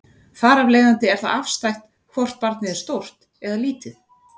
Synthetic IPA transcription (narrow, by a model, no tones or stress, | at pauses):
faːɾavlejðant̪ɪɛɾ̥θa̰ðafst̪ajxt̪ | kʰvɔr̥t̪̚paɾt̪nɪðɪɾ̥st̪owr̥t̪ | ɛðaliːt̪ɪθ